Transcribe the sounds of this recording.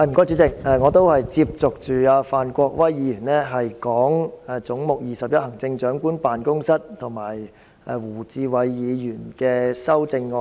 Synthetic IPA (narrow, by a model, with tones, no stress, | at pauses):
a˧˩m̩˨˩kɔː˥jt͡ʃyː˨˥t͡sɪ˨k̚ɛː˧ŋɔː˨˧t̪o˥whɐ˨jt͡siː˧˥p̚t͡sʊ˨k̚t͡ʃyː˨aː˧faː˨nkʷɔː˧k̚wɐ˥jːiː˨˧jyː˨˩nlɛː˥ɦɐ˨jkɔː˨˥ŋɛ˨t͡sʊ˨˥ŋmʊ˨k̚jiː˨sɐ˨p̚jɐ˥t̚hɐ˨˩ŋt͡sɪ˧ŋt͡ʃœː˨˥ŋkuː˥npaː˨nkʊ˥ŋsɐ˥t̚t̪ʰʊ˨˩ŋmaː˨˩j | ʔɛ˨wuː˨˩t͡siː˧wɐ˨˧jːiː˨˧jyː˨˩nkɛː˧sɐ˥wt͡sɪ˧ŋːɔː˧